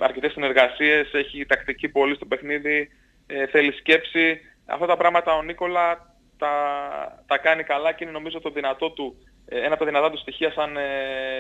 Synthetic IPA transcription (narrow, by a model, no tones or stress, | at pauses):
ɐ̰ɾcet̪esine̞ɾɣɐsie̞se̞çit̪ɐkt̪icipo̞list̪o̞pe̞xniði | θe̞lisce̞psi | ɐ̰ft̪ɐt̪ɐpɾɐɣmɐt̪ɐo̞niko̞lɐ | t̪ɐ | t̪ɐkɐnikɐlɐceine̞no̞mizot̪oðinɐt̪o̞t̪u | enɐpt̪ɐðinɐt̪ɐt̪ust̪içiɐsɐn